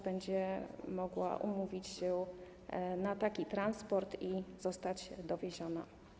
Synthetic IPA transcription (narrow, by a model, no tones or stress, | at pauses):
bɛɲd͡ʑɛmɔɡwa̰ʔṵmuvʲit͡ɕɕɛ | nat̪akʲit̪ɾanspɔɾt̪izɔst̪ad͡ʑd̪ɔvʲeʑɔna̰